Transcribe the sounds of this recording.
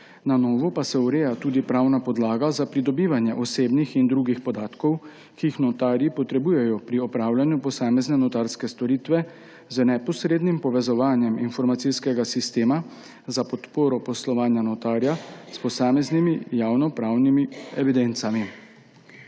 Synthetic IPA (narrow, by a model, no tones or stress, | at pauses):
nanɔːʋɔpasɛuɾeːjat̪uːd̪ipɾaːwnapɔd̪laːɡazapɾid̪ɔbiːʋanjɛʔɔseːbnixind̪ɾuːɡixpɔd̪aːt̪kɔw | kiixnɔt̪aːɾjipɔt̪ɾɛbuːjɛjɔpɾiɔpɾaːwlanjupɔsaːmɛznɛnɔt̪aɾskɛst̪ɔɾiːt̪ʋɛ | zənɛpɔsɾeːd̪nimpɔʋɛzɔʋaːnjɛminfɔɾmat̪siskɛɡasist̪eːma | zapɔt̪poːɾɔpɔslɔʋaːnjanɔt̪aːɾjaspɔsaːmɛznimijaːwnɔpɾaːwnimiɛʋid̪ent̪sami